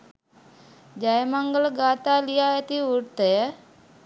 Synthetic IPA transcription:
d͡ʒajmaŋɡəlɡat̪alijajət̪iuɽt̪əjə

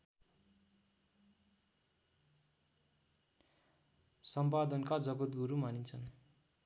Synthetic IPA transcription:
sʌmpad̪ʌnkad͡zʌɡʌt̪ɡuɾumanint͡sʰʌn

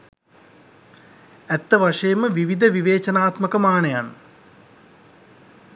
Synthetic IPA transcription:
æt̪ːəʋaʂɐjəməʋiʋid̪ʱəʋiʋeːt͡ʃɐnaːt̪məkəmaːɳɐjan

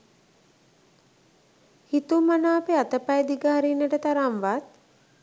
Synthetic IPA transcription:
hit̪umanaːpeat̪əpajd̪iɡəɦaɾinːəʈət̪aɾamʋat̪̚

